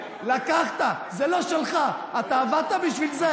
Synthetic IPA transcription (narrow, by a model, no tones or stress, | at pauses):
lakaχt̪a | zelo̞ʃelχaat̪aːvad̪̚t̪abiʃvilze